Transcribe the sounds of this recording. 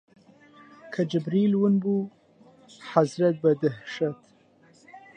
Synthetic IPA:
kʰad͡ʒɪbɾilwənbu | hazɾat̪̚bad̪ahʃat̪

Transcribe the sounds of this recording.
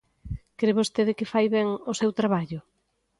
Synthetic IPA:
kɾeβost̪eðɪkɪfajβɛŋosewt̪ɾaβaʎʊ

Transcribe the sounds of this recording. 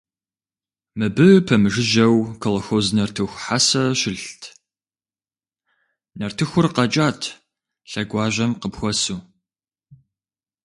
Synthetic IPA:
mɨbɨpʰɐmɨʒɨʒɐwkʰɐlɐxoːznɐrtʰɨxʷħasɐɕɪɬtʰ | nɐrtʰɨxʷʊrqɐt͡ʃʼaːtʰ | ɬɐɡʷɑːʑʷɐmqəpxʷɔsuː

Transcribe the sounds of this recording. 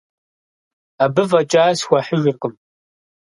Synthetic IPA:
abɨvɐt͡ʃʼaːsxʷɐħəʒɪqəm

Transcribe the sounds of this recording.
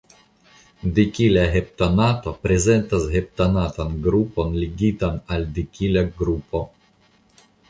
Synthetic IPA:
dikilaɦep̚tanatopɾe̞ze̞ntasɦep̚tanatanɡɾupo̞nliɡitanaldikilaɡɾupo̞

